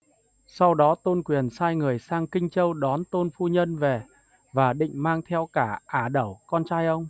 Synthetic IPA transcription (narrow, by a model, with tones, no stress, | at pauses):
sa˧wɗɔ˨˦t̪o˧nkwi˨˩ənsaː˧jŋɨ˨˩əjsaː˧ŋkï˧ŋ̟t͡ɕə˧wɗɔ˨˦nt̪o˧nfu˧ɲə˧nve˨˩ | vaː˨˩ɗḭ˧˨ŋ̟maː˧ŋt̪ʰɛ˧wkaː˧˩ʔaː˧˩ɗə˧˩wkɔ˧nt͡ɕaː˧jʔə˧wŋ͡m